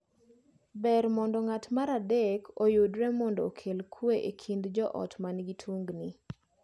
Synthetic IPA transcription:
bɛɾmɔndɔŋatmaɾadekʰojudɾɛmɔndɔkʰelkʰweʔekʰind̪d͡ʒɔʔɔ̰tmanɡitʰwuŋɡni

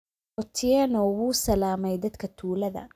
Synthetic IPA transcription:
ɔt̪ʰɪjɛnɔːwuːsɐlaːmɛjd̪ɐd̪kʰɐt̪ʰuːlɐðɐ̰

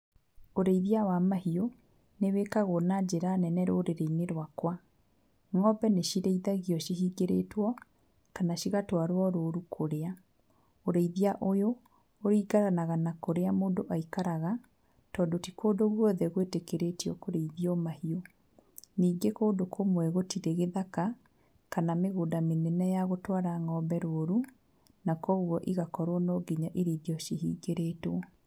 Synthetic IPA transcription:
oɾeiðiawamahio | newekaɣonad͡ʒeɾanɛnɛɾo̰ɾeɾeineɾwakwa | ŋɔbɛneɕiɾeiðaɣiɔʃiɦiːɡeɾḛtwɔ | kanaɕiɣatwaɾwaɾoːɾukʰoɾea | oɾeiðiaʔojoː | ɾiːɡaɾanaɣanakoɾeamoːndoʔaikaɾaɣa | tɔːdotikoːdoɣwɔðɛɣwetekeɾetiɔkoɾeiðiɔmahio | niːɡekoːdokʰomwɛɣotiɾeɣeðaka | kanameɣoːdamenɛnɛjaɣotwaɾaŋɔːmbɛɾoɾu | nakɔɣwɔʔiɣakɔɾwɔnɔɡiɲaʔiɾeiðiɔʃiɦḭːɡeɾetwɔ

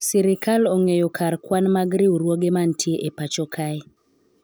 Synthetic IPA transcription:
siɾikaloŋejɔkʰarkwanmaɡɾiɾwoɡemantʰjeʔepat͡ʃɔkʰaj

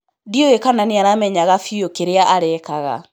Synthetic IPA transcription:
dioekananeaɾamɛɲaɣafiokeɾeaʔaɾɛːkaɣa̰

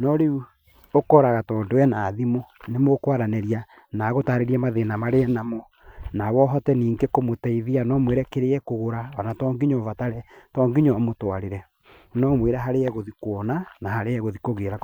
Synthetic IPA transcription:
nɔɾeu | okɔɾaɣatɔːndoɛnaːðimo | nemokwaɾanɛɾia | naɣotaɾeɾiamaðenamaɾeɛnamɔ | nawɔɦɔtɛniːŋɡekomotɛiðianɔmweːɾɛkeɾeɛkoɣoɾaɔnatɔːŋɡiɲɔvataɾɛtɔːŋɡiɲɔmotwaɾeɾɛ | nɔmweːɾɛɦaɾeɛɣoðikwɔnanahaɾeɛɣoðikoɣeɾa

